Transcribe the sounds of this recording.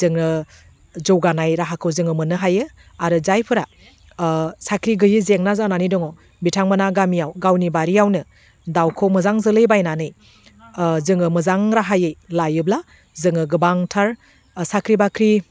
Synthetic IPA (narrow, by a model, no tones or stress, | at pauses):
zɯŋɯ | zɔwɡanajɾaɦakʰɯwzɯŋɯmɯnɯɦajɯ | aɾɯzajpʰɯɾa | sakʰɾiɡɯjɯzeŋnazananidɔŋɔ | bitʰaŋmanaɡamijawɡawnibaɾijawnɯ | dawkʰɔmɯzaŋzɯlɯjbajnanɯj | zɯŋɯmɯzaŋɾaɦajɯjlajɯbla | zɯŋɯɡɯbaŋtʰaɾ | sakʰɾibakʰɾi